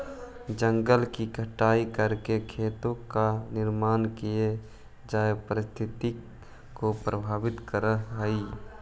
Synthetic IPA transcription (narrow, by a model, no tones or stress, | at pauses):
d͡ʒəŋɡəlkiɡʱəʈaːikəɾkekʰeːt̪õkanɪɾmaːnkije | d͡ʒaːepəɾɪst̪ʰɪt̪i | kopɾəbʱaːʋɪt̪kəɾəɦɦəi